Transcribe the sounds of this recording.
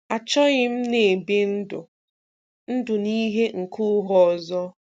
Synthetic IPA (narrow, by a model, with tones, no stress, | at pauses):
a˨t͡ʃɔ˦ɣɪ˦m̩˦ne˨be˦n̩˦dʊ̰˨ | n̩˦dʊ˨ni˦ɦe˦ŋ̩˨kʰʊ˦ɦɔ˨zɔ˦